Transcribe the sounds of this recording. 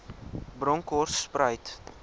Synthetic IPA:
bɾɔŋkɔrsːprəjt

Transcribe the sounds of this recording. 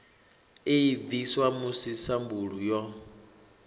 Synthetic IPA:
eid̪iswamusisambuɺujɔ

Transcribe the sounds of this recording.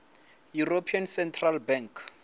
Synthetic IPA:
juropʰiansɛntʰralbɛŋkʰ

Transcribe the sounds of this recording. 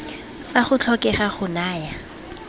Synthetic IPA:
faχʊt͡ɬʰɔkɛχaχʊnaːja

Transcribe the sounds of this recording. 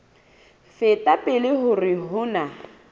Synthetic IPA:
fɪtʼapʼɪlɪɦʊrɪɦʊna

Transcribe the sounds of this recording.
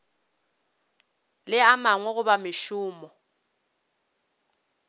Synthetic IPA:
lɪamaŋwɛɣʊbamɪʃʊːmɔ

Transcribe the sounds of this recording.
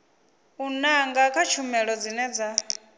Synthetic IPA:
unaŋɡakʰat͡ʃʰumɛɺɔd͡zinɛd͡za

